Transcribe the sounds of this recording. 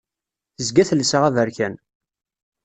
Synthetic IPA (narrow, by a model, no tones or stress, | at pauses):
əzɡæθəlsəʁævəɾçæn